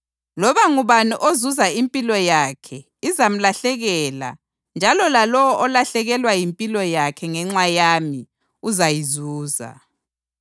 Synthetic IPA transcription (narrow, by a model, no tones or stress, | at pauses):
lɔβaŋuβaniʔozuzaimpʼilɔjakʰɛ | izam̩laɬɛɣɛːla̰ | nd͡ʒʱalɔlalɔwɔʔɔlaɬɛɣɛlwajimpʼilɔjakʰɛŋɛŋ͡ǁwajami | uzajizuːza̰